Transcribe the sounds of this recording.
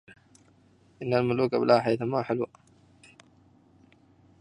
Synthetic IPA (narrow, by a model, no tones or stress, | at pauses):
ʔɪnːalmʊluːka̰blʔaːħajθamaħɪlwa